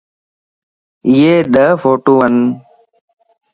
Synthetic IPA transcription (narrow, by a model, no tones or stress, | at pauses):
ɪjeːɗ̪əfʰoːʈuːʋən